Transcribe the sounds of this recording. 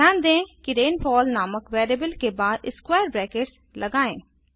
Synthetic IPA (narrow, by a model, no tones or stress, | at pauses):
ãːnd̪ẽːkiɾeːnpʰɔːlnaːməkʋɛːɾiːbəlkeːbaːd̪ɪskwɛːɾbɾɛːkeːʈs | ləɡaːḛ̃ː